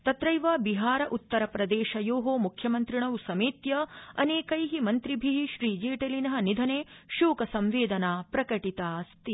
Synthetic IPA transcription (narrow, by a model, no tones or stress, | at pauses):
t̪ɐt̪ɾɐjʋaːbiɦaːɾɐʔut̪ːɐɾɐpɾɐd̪eːʃɐjoːɦoːmukʰjɐmɐnt̪ɾiɳɐʋusɐmiːt̪jɐɐ̰neːkɐjɦimɐnt̪ɾibʱiɦiʃɾiːd͡ʒeːʈelinɐɦɐ̆nid̪ʱɐneːʃuːkɐsɐmʋeːd̪ɐnaːpɾɐkɐʈit̪aːst̪i